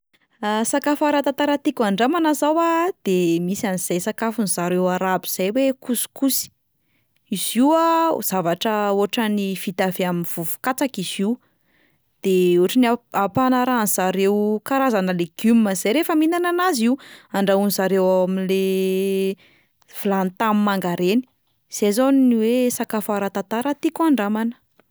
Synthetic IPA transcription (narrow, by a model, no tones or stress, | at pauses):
asakafaɾat̪at̪aɾat̪ikʲuaɳɖ͡ʐamanazawad̪̥emisaniz̥ajsakafunizaɾewaɾabiz̥ajwekusu̥kusi̥ | iz̥iwaz̥avaʈ͡ʂəoaʈ͡ʂənifit̪aveaminv̥uvu̥kat͡sakiz̥iu | d̪̥euʈ͡ʂinaapanaɾaniz̥aɾewkaɾazanəleɡ̥umːəz̥ajɾefəminananaziwaɳɖ͡ʐaunizaɾewaamile | v̥ulant̪ammaŋɡaɾeni̥ | z̥ejzoniniwesakafaɾat̪at̪aɾat̪ikuaɳɖ͡ʐamanə̥